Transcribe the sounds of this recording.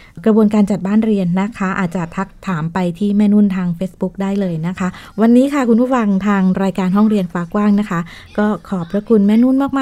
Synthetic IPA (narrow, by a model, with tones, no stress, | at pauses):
kɾa˧bu˧ənkaː˧nt͡ɕa˨˩t̪̚baː˥˩nɾi˧ənːa˦˥kʰa˦˥ʔa̰ː˨˩t̪̚t͡ɕa˨˩t̪ʰa˦˥k̚t̪ʰaː˩˦mpa˧jt̪ʰiː˥˩mɛː˥˩nuː˥˩nt̪ʰaː˧ŋfeː˦˥sbu˦˥k̚daː˥˩jlɤː˧jna˦˥kʰa˦˥wa˧nːiː˦˥kʰa˥˩kʰu˧npʰuː˥˩fa˧ŋt̪ʰaː˧ŋɾaː˧jkaː˧nɦɔ˥˩ŋɾi˧ənfaː˧˩kwaː˥˩ŋna˦˥kʰa˦˥ | kɔː˥˩kʰɔː˨˩pʰɾa˦˥kʰu˧nmɛː˥˩nuː˥˩nmaː˥˩k̚maː˥